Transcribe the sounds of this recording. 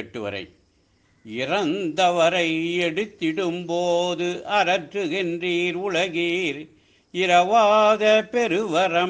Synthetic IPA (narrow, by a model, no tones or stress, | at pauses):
ʈːɯʋɐ̰ɾɐ̰ɪ | ɪrɐnd̪ɐʋɐɾɐɪɛɽɯt̪ːɪɽɯmpoːðɯʔɐɾɐʈrɯɣɪndriːɾʊɭɐɣiːɾ | ɪɾɐʋaːðɐpɛɾɯʋɐɾɐ